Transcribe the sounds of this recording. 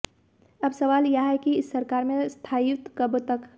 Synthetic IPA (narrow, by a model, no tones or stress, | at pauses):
ɐbsɐʋaːljaɦɛkiɪsːɐɾkaːɾmẽst̪ʰaːjʊt̪ːkɐbt̪ɐk